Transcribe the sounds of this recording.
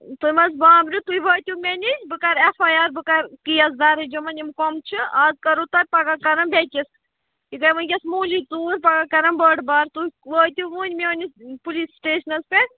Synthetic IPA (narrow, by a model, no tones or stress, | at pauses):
t̪umɐzbaːbɾut̪uiʋəːt̪ʲumenʲibɨkɐɾefajaɾbɨkɐɾkijɐz̬d̪aɾɐd͡ʒɐmɐnʲimkɔmt͡ʃʰɨaːzkɐɾut̪ɐɾ̚ʲpɐɡakɐɾɐnbɛkʲis | ik̪ɐjmɐnɡʲɐsmuːlit̪uːɾpɐɡakɐɾɐnbəɖbɐɾt̪uʋəːt̪ʲuʋuːnʲmeonʲispulissʈeːʃnɐspe